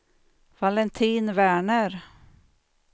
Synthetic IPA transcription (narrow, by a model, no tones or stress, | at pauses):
valɛnt̪ʰiːnvæːɳəɾ